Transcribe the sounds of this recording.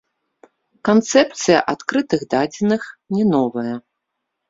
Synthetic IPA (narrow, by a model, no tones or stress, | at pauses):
kant̪sɛp̚t̪sɨjɐ̰ʔat̪kɾɨt̪ɨɣd̪ad͡zʲinɨxnʲɛnɔvɐjɐ